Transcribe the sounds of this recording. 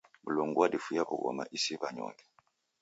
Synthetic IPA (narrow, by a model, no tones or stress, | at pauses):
mulɔŋɡuwadifujakuɡɔ̰ma̰ʔisiβaɲɔkɛ̥